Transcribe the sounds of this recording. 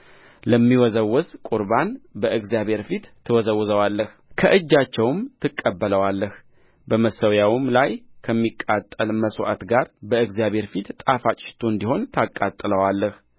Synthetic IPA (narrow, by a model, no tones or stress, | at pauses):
ləmːiwɔzəwːɔskʼuɾbanbəʔɨɡzjaβhe̞ɾfit̪ʰːɨwɔzəwːzəwalːəh | kʰəʔɨd͡ʒːat͡ʃːɛwmt̪ʰɨkʼːəbːələwalːəh | bəməsəwjawɨmlajkʰəmːikʼːat̪ʼːəlməswʔa̰t̪ɡaɾbəɨɡzjaβʱhe̞ɾfit̪t̪ʼafat͡ʃʼɪ̥ʃt̪ʰoɨnd̪iho̞nt̪ʰakʼːat̪ʼːɨləwalːəh